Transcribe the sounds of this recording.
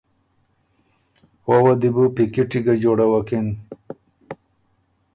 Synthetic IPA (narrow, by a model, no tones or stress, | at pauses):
wowɐd̪ibupikiʈiɡɐd͡ʑoːɽɐwɐkin